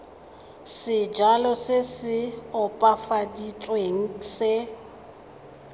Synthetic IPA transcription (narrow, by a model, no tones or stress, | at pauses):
sɪd͡ʒalɔsɪsɪʊpʼafaditʼweŋ̩sɪ